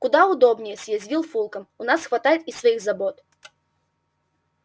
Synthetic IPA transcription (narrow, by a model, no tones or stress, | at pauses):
kʊd̪aʊd̪ɔbnʲɪjɛsʲjazʲvʲilˠfulˠkɐmunasxvat̪ajɛt̪isvɐjiɣzabɔt̪